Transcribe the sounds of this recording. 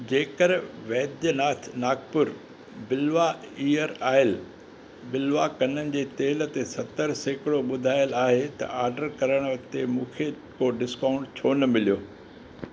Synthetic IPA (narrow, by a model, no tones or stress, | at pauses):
d͡ʑeːkəɾʋeːd̪jənaːt̪ʰnaːkpʊɾ | bɪlʋaiːəɾaːɪl | bɪlʋakɐnənɪ̆d͡ʑeːt̪eːl̆t̪esɐt̪əɾseːkɪɽoɓʊd̪ʱaːjəlaːɦet̪ɐ̰ʔaːɾɖəɾkɐɾəɽ̃ʋɐkt̪emũːkʰe | koɖɪskaːʊ̃ɳʈt͡ɕʰoːnə̆mɪlijoː